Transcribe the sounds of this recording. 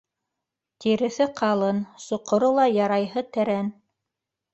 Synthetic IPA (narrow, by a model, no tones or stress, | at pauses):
t̪iɾɘ̆θɘqʰɑlˠɤnsŏqŏɾolˠɑjɑɾɑjɦɤt̪æɾæn